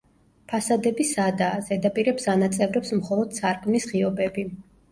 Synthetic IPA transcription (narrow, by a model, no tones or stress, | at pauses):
pʰasad̪ɛbisad̪aːzɛd̪apʼiɾɛbz̥anat̪sʼɛvɾɛpsmχɔlˠɔd̪̥̚sʰaɾkʼmisʁiɔbɛbi